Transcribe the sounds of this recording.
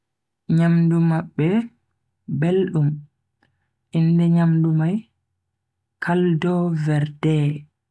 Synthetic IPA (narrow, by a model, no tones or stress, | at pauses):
ɲamdumaɓːɛ | belɗum | ʔindɛɲamdumaj | kʰaldɔvɛɾdɛ